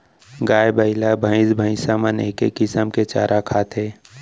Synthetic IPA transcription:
ɡaːjbəɪlabʱə̃ɪ̃sbʱə̃ɪ̃saːməneːkḛkːɪsəmket͡ʃa̰ːɾʔakʰaːt̪ʰeː

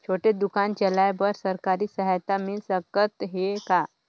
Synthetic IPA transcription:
t͡ʃʰoʈed̪ukant͡ʃəlajbəɾsəɾkaɾiːsəɦajt̪amisəkət̪ɦeka

